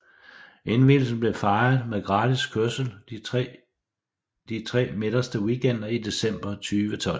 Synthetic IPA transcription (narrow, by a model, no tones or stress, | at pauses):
ʔenʋill̩sn̩b̥le̝fɑ̈ɪɐð̩ˠmeðˠɡ̥ʁɑ̈ːdiskʰøɐsl̩ | d̥it͡sʰʁɛ̰ːme̝d̥ɐsd̥əwiːɡ̥ʰen̰d̥ɐide̝sem̰b̥ɐt͡sʰyːʋət͡sʰɒ̽l